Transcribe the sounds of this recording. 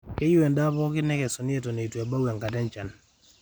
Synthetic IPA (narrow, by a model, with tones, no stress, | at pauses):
ke˦ju˦e˨nda˦bɔ˦kɪ˦nɛ˦kɛ˨sɔ˨nɪ˦e˦to˨ne˨twe˨ba˦we˨ŋka˨dɛ˦nt͡ʃa˨n